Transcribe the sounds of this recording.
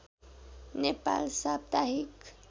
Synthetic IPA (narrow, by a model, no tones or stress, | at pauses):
nepa̰lsab̚t̪aɦik